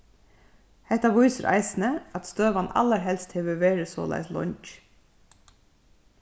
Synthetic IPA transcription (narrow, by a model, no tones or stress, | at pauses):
hɛht̪ɑʋʊʏsəɾʔæ̰ɪsnəɑt̪st̪øːʋɑnɑ̰ləɾɦɛlst̪hɛːʋəʋeːɾɪso̰ːlæ̰ɪslɔ̰ɲc